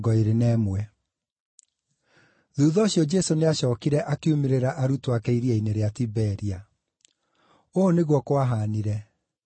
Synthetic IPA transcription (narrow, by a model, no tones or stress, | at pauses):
ɡɔeɾenɛːmwɛ | ðuːðɔːɕjɔd͡ʒɛsoneaɕɔːkiɾɛʔakeumeɾeɾaʔaɾutoakɛiɾiaineɾeatibɛɾia | oːneɣwɔkwaɦaniɾɛ